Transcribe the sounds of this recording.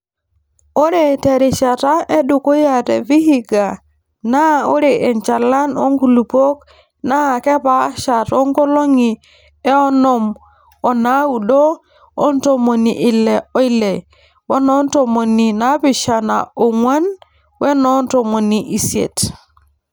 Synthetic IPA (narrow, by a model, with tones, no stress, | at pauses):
o˦ɾe˦˨te˨ɾi˨ʃa˨ta˦ʔe˦ɗu˨ko˦ja˨tḛ˨vi˦hi˦ɡa˨ | na˦o˦ɾe˨ʔe˨nt͡ʃa˨la˦no̰˦ŋɡu˨lu˨po˦k̚ | na˦˨ke˦pa˦ʃa˨to˦ŋɡo˦lo˦ŋi˨ | e˦o˦no˦˨m | o˨na˦wu˨ɗoː˦ | nto˨mo˨ni˨ʔi˦le˨o˦i˦le˨ | we˦no˦nto˨mo˨ni˨na˦pi˦˨ʃa˨na̰˨o˨ŋʷa˦n | we˦no˦nto˨mo˨niʔi˨siḛ˨t